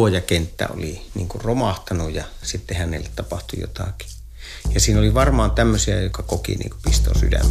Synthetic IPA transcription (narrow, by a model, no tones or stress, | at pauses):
ojɑkent̪ːæ̰o̰liniːŋkurromɑht̪ɑnujjɑ | sit̪ːehænḛlːet̪t̪ɑpɑht̪ujo̰t̪ɑki̥ | jɑsiːnoliʋɑrmɑːnt̪æmːøsiæjokɑkokḭnḭːŋkupist̪o̰ːsy̰dæ̰mː